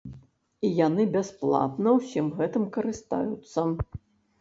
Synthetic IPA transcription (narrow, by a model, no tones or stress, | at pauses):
ijanɨbʲasplˠa̰t̪nɐwsʲimɣɛt̪ɨmkɐɾɨst̪a̰jut̪sːɐ